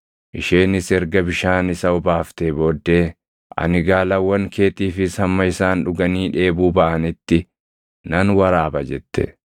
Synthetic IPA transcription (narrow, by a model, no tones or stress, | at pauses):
ʔɪʃeːnɪsɛɾɡɐbɪʃaːnɪsɐʊbaːft̪eːbo̞ːd̪ːe̞ː | ʔɐ̰nɪɡaːlɐwːɐŋkʰe̞ːt̪iːfɪshɐmːɐɪsaːnᶑʊɡɐniːᶑe̞ːbuːbɐʔɐnɪt̪ːɪ | nɐnwɐɾaːbɐd͡ʒɛt̪ːɛ̰